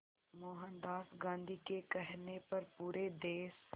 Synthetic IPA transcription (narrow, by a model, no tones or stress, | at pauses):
moːɦə̃nd̪aːsɡãːnd̪ʱikekɛɦnepɐɾpuːɾed̪eːs